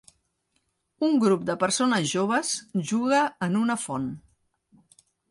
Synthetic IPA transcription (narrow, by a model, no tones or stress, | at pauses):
uŋɡɾup̚d̪əpəɾsonəzʒoβ̞əsʒuɣəənunəfon